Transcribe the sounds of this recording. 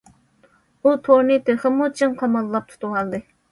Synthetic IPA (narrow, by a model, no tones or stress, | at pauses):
ut̪ʰoɾnɨt̪ʰøχɪmut͡ʃʰinqʰɑmɑlˠːɑp̚t̪ʰu̥t̪ʰuwɑlˠd̪ɨ